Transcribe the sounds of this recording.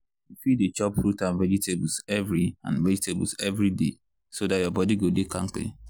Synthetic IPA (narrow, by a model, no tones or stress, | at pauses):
bitwidet͡ʃɔpfɹutãnvɛd͡ʒitʰebl̩sɛvɹiã̰nvɛd͡ʒitʰeb̰lzɛvɹidḛ | sodatjɔbɔdiɡodekʰãŋklḭ